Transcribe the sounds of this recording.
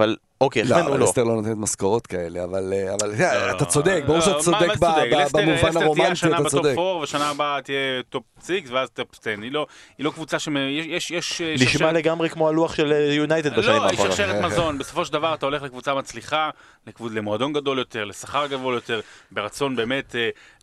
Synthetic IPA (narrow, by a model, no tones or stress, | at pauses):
aval | okejemenuleot̪eʁlonot̪enet̪maskoʁot̪kaeleavaleavalat̪at͡sod̪ek̚boʃasomadebdkabamuvanaʁomiantʃaianaabetodefoʁveaʃanaːbat̪ijet̪o̞p̚t͡siksveazt̪opt̪enilo̞ilo̞kvut͡saʃemejejeʃjɛʃniʃmale̞ɡamʁekmo̞aluaχʃelejunajted̪baʃaniiaʃeʁetmazzo̞nbeso̞fo̞ʃeld̪avaʁat̪aole̞χlekvut͡samat͡sliχa | lekvulemoado̞nɡad̪o̞ljo̞t̪e̞ʁlesaχaʁɡado̞ljo̞t̪e̞ʁbe̞ʁat͡so̞nbe̞ːme̞t̪e